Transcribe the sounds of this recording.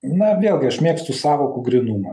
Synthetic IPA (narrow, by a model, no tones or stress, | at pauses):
nɐʋʲeːlˠɡʲɪɐʃmʲeɛkst̪ʊsɑːʋoːkʊɡɾʲɪnumɐ